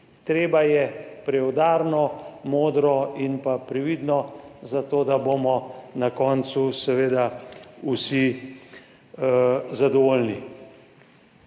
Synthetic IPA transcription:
t̪ɾeːbajɛpɾɛɔd̪aːɾnɔmoːd̪ɾɔinpapɾɛʋiːd̪nɔzat̪oːd̪abomɔnakɔnt̪susɛʋeːd̪ausi | zad̪ɔʋoːlni

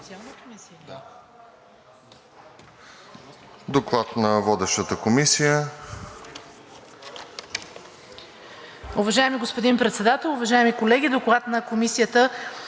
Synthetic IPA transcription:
sʲalˠnkmis | d̪oklˠat̪nɐvɔd̪ɛʃt̪ət̪əkomisijə | ʊvɐʒaɛmiɡospod̪inpɾɛt̪sɛd̪at̪ɛlˠʊvɐʒaɛmikolɛɡʲid̪oklˠat̪nəkomisijət̪ə

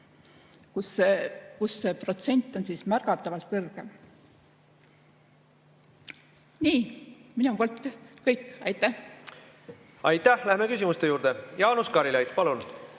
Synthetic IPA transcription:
kusekusːe̞ːpro̞t̪se̞nʲt̪ˑːo̞nsiːsmærɡ̥ɑt̪ˑːɑvɑlt̪̚kɤrɡ̥em | niːminupoːlt̪ːkɤjkːɑjt̪ːˑæh | ɑjt̪ːˑæhlæhmekysʲimust̪e̞juːɾd̪̥ejɑːnuskɑɾilɑjd̪̥pɑlun

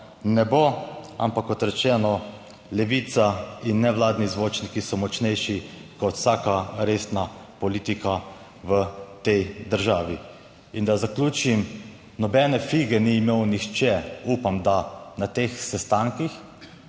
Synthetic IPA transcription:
nɛboa̰mpakːɔt̪ɾɛt͡ʃɛːnɔ | lɛʋit̪sainːɛʋwlaːd̪nizʋoːt͡ʃnikisɔmɔt͡ʃnɛjʃikɔt̪w̥saːkaɾest̪napɔliːt̪ika | ʋət̪ɛjd̪əɾʒaːʋi | ind̪azaklʲuːt͡ʃim | nɔbɛnɛfiɡɛniːmewnixt͡ʃɛupamd̪anat̪exsɛst̪aŋkix

